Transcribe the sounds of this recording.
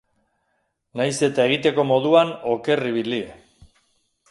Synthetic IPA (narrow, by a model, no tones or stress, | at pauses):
najse̞t̪aeɣ̞it̪e̞ko̞mo̞ðuano̞ke̞riβili